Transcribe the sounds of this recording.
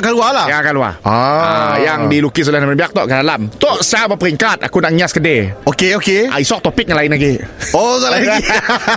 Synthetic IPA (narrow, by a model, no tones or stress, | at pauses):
kalualajakalua̰aajaŋdilukis̬olɛhnməbiak̚t̪ɔʔkadalamt̪ɔʔst͡ʃabəpəɾiŋkat̪̚a̰kunaʔɲaskədeokeokeʔa̰isɔk̚t̪ɔpɪk̚ŋalainaɡeokalai